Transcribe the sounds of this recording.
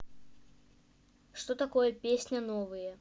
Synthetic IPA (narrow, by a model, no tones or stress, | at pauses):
ʂt̪ɔt̪akɔjɐpʲesʲnʲɐnɔvɨjɛ